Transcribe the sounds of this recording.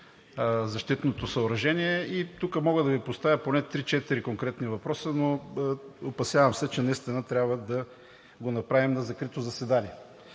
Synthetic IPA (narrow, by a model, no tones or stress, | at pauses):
zɐʃt̪it̪not̪osɐʊɾɐʒɛniɛit̪ukəmɔɡəd̪ɐvipost̪avʲjəponɛt̪ɾit͡ʃɛt̪iɾikoŋkɾɛt̪nivɐpɾɔsəno | opɐsjavɐmsɛt͡ʃɛnɐist̪inət̪ɾʲabvəd̪ɐ | ɡonɐpɾavimnɐzɐkɾit̪ozɐsɛd̪anʲiɛ